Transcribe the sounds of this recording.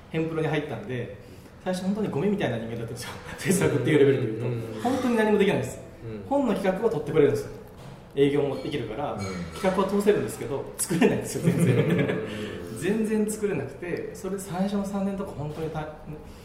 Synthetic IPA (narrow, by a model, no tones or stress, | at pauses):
hẽmpɯɾo̞ɲiɦait̪ːand̪e̞ | saiɕoho̞nt̪o̞ɲiɡo̞mʲimʲit̪ainaɲimed̪at̪ːanesɕjoseːsɨakɯt̪ːeiɯɾebeɾɯd̪e̞jɯ̟ːt̪o̞hõ̞nt̪oɲ̟inaɲ̟imod̪ekinaĩd̪sɨ̥ | hõ̞nːo̞kʲi̥kakɯ̟βat̪o̞t̪ːe̞kɯɾeɾɯ̟nesɨjo | e̞ːɡʲo̞ːmod̪e̞kʲiɾɯ̟kaɾakʲi̥kakɯ̟βat̪o̞ːse̞ɾɯ̟nd̪e̞sɨ̥ke̞d̪o̞t͡sɨ̥kɯ̟ɾe̞naĩnd̪sɨjozẽnzẽ | zẽ̞nd͡zẽ̞nt͡sɨ̥kɯ̟ɾe̞nakɯ̟̥t̪e̞so̞ɾe̞d̪esãɕo̞nosãnːent̪okhõ̞nt̪o̞ɲ̟it̪an